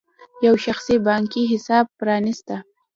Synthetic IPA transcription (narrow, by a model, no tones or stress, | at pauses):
jawʃaxsibɑŋkiɦɪsɑb̚pɾɑnist̪a